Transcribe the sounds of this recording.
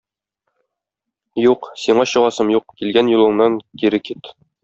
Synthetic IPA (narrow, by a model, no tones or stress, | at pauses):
juqsiɴɑɕɤ̆ʁɑsɤmjuq̚kilɡænjŭlˠɤ̆ɴnɑŋkiɾɘkit̪